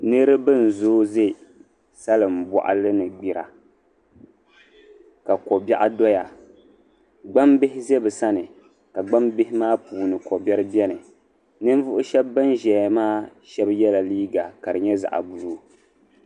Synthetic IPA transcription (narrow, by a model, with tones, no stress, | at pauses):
nɨ˦ɾɨ˦bɨ˦n̩˨zoː˦ze˦˨ | sa˦lɨ˨m̩˨bɔ̰˨ʔa̰˦lɨ˦nɨ˨ɡ͡bi˨ɾa̰˨ | ka˨kɔ˨ba̰˦ʔa˦dɔ˦ja˨ | ɡ͡ba˦mbɪ˦hɪ˦zɛ˦bɨ˨sa˦nɨ˨ | ka˨ɡ͡ba˦mbɪ˦hɪ˦maː˦puː˨nɨ˨kɔ˨bɛ˦ɾɨ˦bʲɛ˦nɨ˨ | nɨ˦n˦vʊ˦ʔʊ˦ʃɛ˦bːɨ˦nʒɛ˨ja˨maː˦ʃɛ˦bjɛ˦la˨liː˦ɡa˨ka˨ɾɨ˨ɲɛ˦za̰˨ʔa̰˨bu˨lu˦